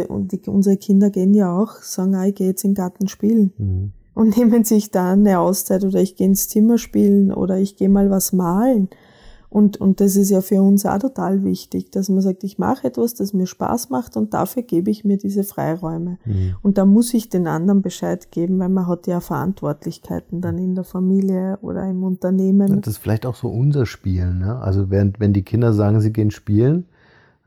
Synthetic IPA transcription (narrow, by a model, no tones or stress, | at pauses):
d̥iʊ̰nzəʁəkʰɪndɐɡeːənjaaʊxsaːɡŋ̩aːɪçɡ̥eːjɛt͡sɪnɡaɐtn̩ʃpiːln̩ | ʔʊntneːmənsɪçd̥aːnəaʊst͡sæɪtoːdɐɪçɡ̥eːɪnst͡sɪmɐʃpiːln̩ʔo̰ːɾɐɪçɡ̥eːmaːlvasmaːln̩ | ʔʊntʊ̰nt̚d̥as̬ɪs̬tjaːfyɐʊnsa̰tʰotʰaːlvɪçtɪçd̥asmɐsaːk̚tɪçma̰χɛtv̥asd̥asmiːɐʃpa̰ːsmaχtʊnt̚d̥a̰fyːɐɡ̥eːbəɪçmiːɐdiːzəfʁ̥a̰ɪʁɔʏməʊnt̚d̥aːmʊsɪçd̥eːnʔa̰ndɐnbəʃaɪtɡ̥eːbm̩væɪlmɐɦatjaːfɛɐʔa̰ntv̥ɔɐtlɪçkʰaɪtn̩danɪndeːɐfamiːljəʔo̰ːdɐ̰ɪmʊntɐneːmənd̥asfɪlaɪçtaʊxz̥o̰ːʔʊnzɐʃpiːlnːəʔa̰lzovɛːʁəntvɛndiːkʰɪndɐzaːɡŋ̩ziːɡeːənʃpiːlən